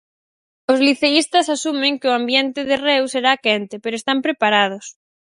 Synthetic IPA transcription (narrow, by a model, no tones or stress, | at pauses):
ʊzliθeist̪ɐsasumeŋkɪʊambjɛnt̪ɪðɪrewseɾakɛnt̪ɪpeɾʊest̪ampɾepaɾað̞ʊs